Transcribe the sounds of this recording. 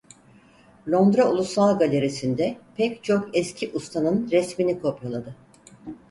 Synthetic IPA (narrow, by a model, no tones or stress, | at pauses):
lʲo̞nd̪ɾaulˠusalˠɡalʲe̞ɾesind̪ɛpʰɛct͡ʃʰo̞kɛscʰiʔust̪ʰanɯnɾɛsminikʰo̞pjolˠad̪ɯ